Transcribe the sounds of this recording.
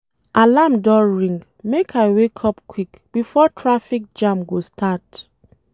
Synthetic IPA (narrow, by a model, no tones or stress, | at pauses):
ʔalamdɔɹĩŋɡ | mekʰaɪwekʰɔp̚kʰwik | b̥ifɔtʰɹafik̚d͡ʒãmɡostʰat